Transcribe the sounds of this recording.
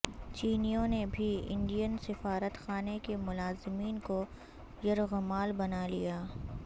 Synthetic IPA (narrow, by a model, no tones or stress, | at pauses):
t͡ʃiːnijõnebʱiɪ̰̃ɳɖijənsɪfaːɾət̪xaːnekemʊlaːzɪmiːnko | jɐɾɣʊmaːlbɐnalḭjaː